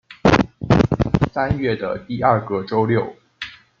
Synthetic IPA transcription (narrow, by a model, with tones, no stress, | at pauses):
sa˥nɥɛ˥˩d̪ə˩t̪i˥˧ɐ˞˥˩kɤ˥ʈ͡ʂo˥ʊljo˥˩ʊ